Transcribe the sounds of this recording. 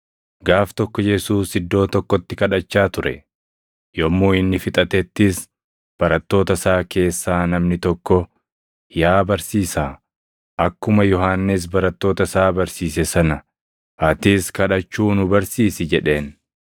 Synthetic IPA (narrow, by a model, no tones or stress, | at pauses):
ɡaːft̪ɔkːɔjɛsuːsɪd̪ːo̞ːt̪ɔkːɔt̪ːɪkɐᶑɐt͡ʃːaːt̪ʊɾɛ̰ | jɔmːuːɪnːɪfɪt̪ʼɐt̪ɛt̪ːɪs | b̥ɐɾɐt̪ːo̞ːt̪ɐsaːkʰe̞ːsːaːnɐmnɪt̪ɔkːɔ | jaːbɐɾsiːsaː | ʔɐkːʊmɐjɔɦaːnːɪs̬bɐɾɐt̪ːo̞ːt̪ɐsaːbɐɾsiːsɛsɐnɐ | ɐt̪ɪskɐᶑɐt͡ʃːuːnʊbɐɾsiːsɪd͡ʒɛᶑe̞ːn